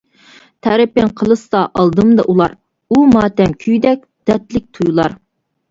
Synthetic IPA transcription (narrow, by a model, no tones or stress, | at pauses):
t̪ʰɛɾɪpɪŋqʰəlˠɨsɑʔɑlˠd̪ɨmd̪ɑ̰ʔulˠɑɾ | umɑːt̪ɛmkʲʰyjd̪ɛk̚ʲd̪̥ɛt̪lɪk̚ʲt̪ʰujulˠɑɾ